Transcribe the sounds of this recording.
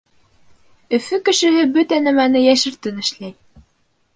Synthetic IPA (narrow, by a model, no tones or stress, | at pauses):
ɵ̆fɵkɘ̆ʃɘ̆ɦɘbɵt̪ænæmænɘjæʃɘ̆ɾt̪ɘnɘ̆ʃlæj